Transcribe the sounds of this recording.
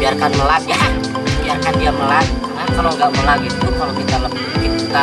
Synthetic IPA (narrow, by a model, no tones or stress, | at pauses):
biarkanməlat̪̚ja | biarkandiaməlat̚ | ahk̪aloŋɡaʔməlaɡit̪ukalokit̪aləp | dikit̪a